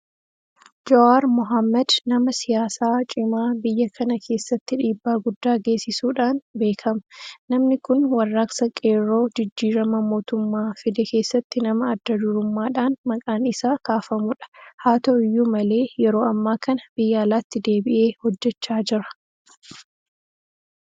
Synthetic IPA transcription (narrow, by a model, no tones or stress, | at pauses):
d͡ʒɔaːɾmʊɦɐmːɐd̪nɐmɐsɪjaːsaːt͡ʃʼɪmaːbɪjːɐkʰɐnɐkʰe̞ːsːɐt̪ːɪᶑiːbːaːɡʊd̪ːaːɡe̞ːsɪsuːᶑaːnbe̞ːkʰɐmɐ̥nɐmnɪkʊnwɐrːɐksɐkʼeːɾo̞ːd͡ʒɪd͡ʒːiːɾɐmɐmo̞ːt̪ʊmːaːfɪd̪ɛke̞ːsːɐt̪ːɪnɐmɐːd̪ːɐd̪ʊɾʊmːaːᶑaːnmɐkʼaːnɪsaːkaːfɐmʊᶑɐ̥haːt̪oɪjːumɐle̞ːjɛɾo̞ːɐmːaːkʰɐnɐb̥ɪjːaːlaːt̪ːɪd̪e̞ːbɪʔe̞ːhɔd͡ʒːɛt͡ʃːaːd͡ʒɪɾɐ̥